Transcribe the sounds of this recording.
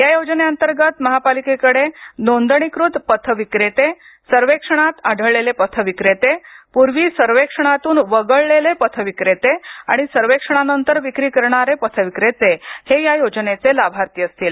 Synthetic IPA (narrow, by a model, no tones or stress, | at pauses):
jajod͡zneənt̪əɾɡət̪məɦapalikekəɽed̪ond̪əɳ̃ikɾut̪pət̪ʰəʋikɾet̪e | səɾʋekʂəɳ̃at̪aɖ̤ʱəɭɭelepət̪ʰəʋikɾet̪epuɾʋiːsəɾʋekʂəɳ̃at̪uːnʋəɡəɭlelepət̪ʰəʋikɾet̪ea̰ɽ̃isəɾʋekʂəɳ̃anənt̪əɾʋikɾiːkəɾɳaɾepət̪ʰəʋikɾet̪ehejajod͡ʑnet͡selabʱaɾt̪iəst̪iːl